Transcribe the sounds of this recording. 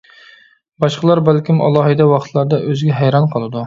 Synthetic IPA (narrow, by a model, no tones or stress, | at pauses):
bɑʃqəlˠɑɾbælkʲimʔɑ̰lˠɑːɦɨd̪ɛwɑχt̪ʰlˠɑɾd̪ɑʔøzɡʲɛɦæjɾɑnqʰəlˠɨd̪u